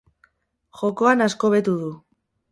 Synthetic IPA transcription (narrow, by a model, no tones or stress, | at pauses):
ʝo̞ko̞anasko̞βe̞t̪uðu